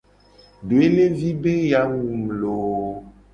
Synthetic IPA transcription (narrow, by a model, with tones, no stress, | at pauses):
ɖo˨e˦le˦vi˦be˦ja˨˦ŋũ˨m̩˨lo˨